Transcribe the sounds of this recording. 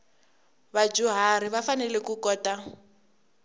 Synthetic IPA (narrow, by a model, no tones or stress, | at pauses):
βad͡ʒuɦaɾiβafanɛlɛkukɔːta